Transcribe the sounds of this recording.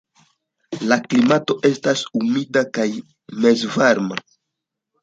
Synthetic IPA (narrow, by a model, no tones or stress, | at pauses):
laklimato̞ʔe̞stasumidakaj | me̞zvaɾma̰